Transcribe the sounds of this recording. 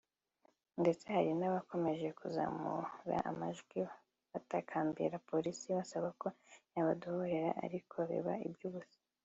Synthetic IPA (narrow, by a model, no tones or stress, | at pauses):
nde̞t͡se̞haɾinaβako̞me̞ʒe̞kuza̰ːmṵɾa̰ʔa̰maʒɡwi | βatakʰaːmbḭɾapo̞ɾisiβasaβako̞jaβadohoɾe̞ɾa̰ʔa̰ɾikʰoβḭβaḭbjuːβusi̥